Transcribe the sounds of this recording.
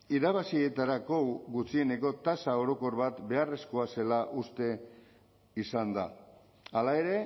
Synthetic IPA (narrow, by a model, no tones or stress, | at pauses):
iɾaβ̞asie̞t̪aɾako̞ɡut͡sie̞ne̞ko̞t̪asao̞ɾo̞ko̞ɾβat̪be̞are̞sko̞ase̞laʔust̪e̞ | isand̪a̰ | alae̞ɾe̞